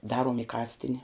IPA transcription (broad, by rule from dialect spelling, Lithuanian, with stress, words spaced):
ˈdɑːruɔm ɪ ˈkɑːsʲtʲɪnʲɪ